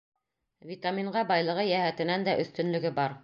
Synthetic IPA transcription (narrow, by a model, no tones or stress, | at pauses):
vʲit̪amʲiɴʁɑbɑjlˠɤ̆ʁɤjæhæt̪ɘ̆nænd̪æʔɵ̆θt̪ɵ̆nlɵ̆ɡɘbɑɾ